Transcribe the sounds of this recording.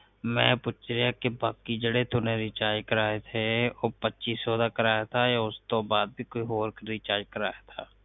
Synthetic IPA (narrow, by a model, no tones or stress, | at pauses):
mɛ̃ːpʊt͡ʃɾejakebaːkid͡ʒəɽet̪uneɾiːt͡ʃaːd͡ʒkəɾaːet̪ʰeoːpətːʃiːsoːd̪akəɾaːjat̪ʰajaʊst̪obaːd̪̚bʱikoːiɦoːɾkəɾiːt͡ʃaːd͡ʒkəɾa̰ːjat̪ʰaː